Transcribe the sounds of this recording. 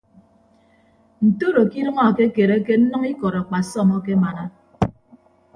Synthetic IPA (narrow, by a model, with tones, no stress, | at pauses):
n̩˨to˦ɾo˨ki˦ɾʌ˦ŋɔ˦a˨ke˦ke˨ɾe˦ke˦n̩˦nɔ˦ŋi˦kɔ˨ɾa˨k͡pa˨sɔ˦˨mɔ˦ke˦ma˨na˦